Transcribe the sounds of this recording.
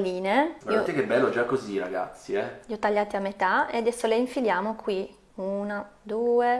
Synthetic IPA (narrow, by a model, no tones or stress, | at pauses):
liːneviot̪ɛkebːɛlːod͡ʒakːoziɾa̰ɡa̰t̪sːiɛʎiɔt̪ːaʎːaːt̪iamːet̪aḛad̪ɛsːoleiɱfiljaːmokʰwi | unad̪uːe